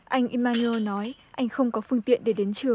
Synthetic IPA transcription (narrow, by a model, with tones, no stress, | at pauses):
ʔa˧jŋ̟ʔi˧maː˧nu˧o˧nɔ˨˦jʔa˧jŋ̟xə˧wŋ͡mkɔ˨˦fɨ˧əŋt̪ḭ˧˨ənɗe˧˩ɗe˨˦nt͡ɕɨ˧˩əŋ